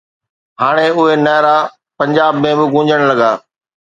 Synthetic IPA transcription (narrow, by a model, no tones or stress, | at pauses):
ɦaːɽ̃eʊɦenɐːɾa | pɐ̃ɲd͡ʑaːbmẽbɪɡʊ̃ːɲd͡ʑʱəɽ̃lɐɡaː